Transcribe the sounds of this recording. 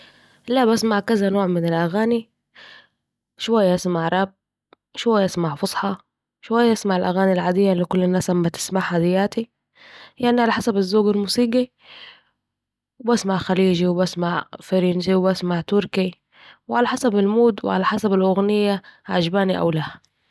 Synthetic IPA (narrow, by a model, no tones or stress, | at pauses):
laʔbasmaʕkazanoːʕmɪnɪlʔaɣaːni | ʃʊwajːaʔasmaʕɾˤɑb̚ | ʃwajːaʔasmaʕfʊsˤħɑ | ʃwajːaʔasmaʕɪlʔaɣaːnilʕaːd̪ɪjːalːikʊlːɪnːaːsʔamːat̪ɪ̥smaʕhaːd̪ɪjːaːt̪i | lɪʔaniʕalaħasabazːoːɡalmuːsiːɡi | wbasmaʕxaliːd͡ʒiwbasmaʕfaɾinsiwbasmaʕt̪ʊɾki | wʕalaħasabalmuːd̪wɪ̰ʕa̰laħasabalʔʊɣnɪjːaʕad͡ʒbaːniʔa̰wlaːh